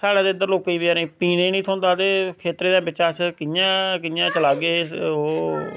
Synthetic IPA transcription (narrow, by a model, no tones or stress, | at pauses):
saːɽaːd̪eːənd̪əɾloːkːəiːbɪaːɾĩːpiːneːnĩːt̪ʰɔ̃ːnd̪aːt̪eːkʰeːt̪ɾeːd̪ãːbɪt͡ʃːaːt͡ʃkɪjãːkɪjãːt͡ʃəlaːɡeːoː